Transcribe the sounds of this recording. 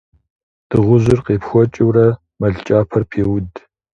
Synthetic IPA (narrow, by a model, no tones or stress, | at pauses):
d̥ɨʁʷʊʑɨrqeːpxʷɔt͡ʃʼɪwrɐ | mɐɮt͡ʃʼaːpʰɐrpʰeːwʊd